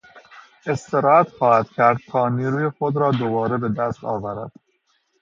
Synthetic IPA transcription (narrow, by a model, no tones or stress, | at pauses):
e̞st̪eɾɒːæt̪xɒːhæd̪̥cʲʰæɾd̪̚t̪ʰɒːniːɾuːjexod̪ɾɒːd̪obɒːɾebe̞d̪æst̪ɒ̰ːvæɾæ̰d̪̥